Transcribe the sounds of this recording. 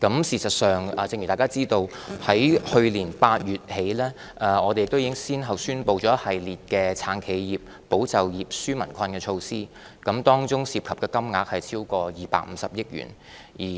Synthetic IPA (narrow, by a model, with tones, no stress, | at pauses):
kɐ˨˥msiː˨˩sɐ˨t̚sœː˨ŋɛː˨t͡sɪ˧ŋjy˨˩aː˨˩jkaː˥t͡siː˥t̪o˧whɐ˨˥jhɵ˧ɥliː˨˩npaː˧t̚jyː˨t̚he˨˥jlɛː˥ | ʔɛ˨˧ɔː˨˧te˨jɪ˨k̚t̪wjiː˨˥kɪ˥ŋsiː˥nɦɐ˨˩wsyː˥npo˧wt͡sɔː˨˥hɐ˨jliː˨t̚kɛː˧t͡sʰaː˨˥nkʰe˨˧jjiː˨˩p̚ | po˨˥wt͡sɐ˨wjiː˨p̚syː˥mɐ˨˩nkʷʰɐ˧nkɛː˧t͡ʃʰo˧wsiː˥ | kɐ˨˥mt̪ɔː˥ŋt͡sʊ˥ŋsiː˧p̚kʰɐ˨p̚kɛː˧kɐ˥mŋaː˨˧k̚hɐ˨jt͡sʰiː˥wkɔː˧jiː˨˩pa̰ː˧k̚m̩ː˨˧sɐ˨p̚jɪ˥k̚jy̰ː˨˩n | jiː˨˩